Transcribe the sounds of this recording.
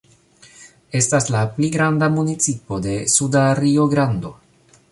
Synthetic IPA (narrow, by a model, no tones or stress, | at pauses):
e̞staslapliɡɾandamunit͡sipo̞de̞sudaɾio̞ɡɾando̞